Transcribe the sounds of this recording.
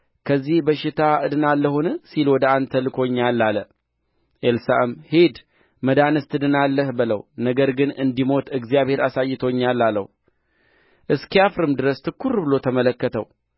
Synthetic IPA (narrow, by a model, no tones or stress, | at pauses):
kʰəzːihbəʃɪt̪ʰaʔɨd̪ɨnalːəhunɨsilwɔd̪əant̪ʰəlɨkʰo̞ɲːalːalə | ʔelsaʔɨmhed̪ | məd̪anɨst̪ʰɨd̪ɨnalːəhbɨlə̰wnəɡəɾɡɨnɨnd̪imo̞t̪ɨɡzijaβhe̞ɾasajːɪt̪ʰoɲːalːalːə̰h | ʔɨskiafɾɨmd̪ɨɾəst̪ʰɨkʰːuɾbɨlo̞t̪ʰəmələkːət̪ʰəw